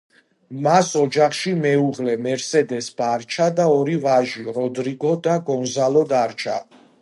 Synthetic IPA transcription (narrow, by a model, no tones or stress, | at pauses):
masɔd͡ʒaχʃimɛuʁlɛmɛɾsɛd̪ɛsb̥aɾt͡ʃʰad̪aɔɾivaʒiɾɔd̪ɾiɡɔd̪aɡɔnzalɔd̪aɾt͡ʃʰa̰